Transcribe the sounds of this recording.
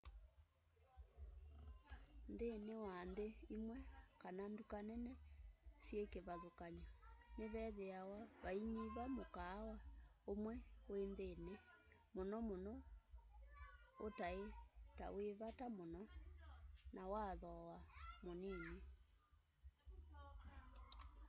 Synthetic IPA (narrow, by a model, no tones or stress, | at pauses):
nðenewanðeimwɛkanandukanɛnɛsjekeβaðokaɲɔneβɛðeawaβaiɲiβamokaːwaomwɛwenðene | monɔmonɔ | otaeta̰weβatamonɔ | nawaðɔwamoniːɲi